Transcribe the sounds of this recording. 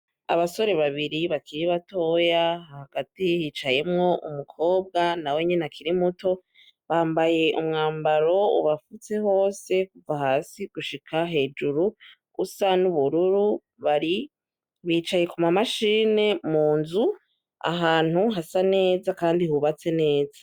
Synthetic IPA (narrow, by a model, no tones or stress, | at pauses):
a̰βaso̞ɾe̞βaβiɾiβakiɾiβato̞jaahaɡ̥atihiːt͡ʃaje̞mŋo̞ʔumukʰo̞ːb̚ɡanawe̞ɲenakʰiɾimutʰo̞ | βaːmbaje̞ʔumŋaːmbaɾo̞ṵβafut͡se̞ɦo̞ːse̞kuvahaːsiɡ̥uʃikʰaɦe̞ːd͡ʒuɾu | ɡusanuβuɾuɾu | βaɾi | βit͡ʃaje̞kumamaʃiːne̞muːnzu | a̰ɦaːn̥huɦasane̞ːzakaːndihuβat͡se̞ne̞ːzḁ